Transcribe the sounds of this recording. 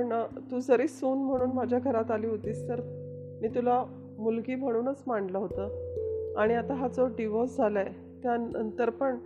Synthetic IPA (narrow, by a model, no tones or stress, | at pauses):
ɳt̪uːd͡zəɾiːsuːnm̤əɽ̃uːnmad͡ʑʱjaɡʱəɾat̪aliːɦot̪iːst̪əɾ | miːt̪ula | mulɡiːm̤əɽ̃uːnət͡smaɳɖləɦot̪əːaɽ̃iat̪aɦat͡sɔɖiʋɔsd͡zʱaləe | t̪janənt̪əɾpəɳ